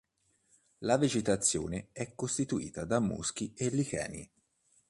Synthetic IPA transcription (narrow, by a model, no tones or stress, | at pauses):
laved͡ʒet̪at̪sːjo̰ːneɛkːost̪it̪uḭːt̪ad̪amːṵsk̟ielːikɛ̰ːnḭ